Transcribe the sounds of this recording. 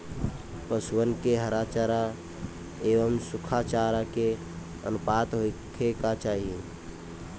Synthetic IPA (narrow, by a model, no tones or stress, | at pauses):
pəswənkeɦəɾat͡ʃaɾa | eːʋəmsʊkʰat͡ʃaːɾake | ə̰nʊpaːt̪ɦoɪkʰekat͡ʃaːɦiẽ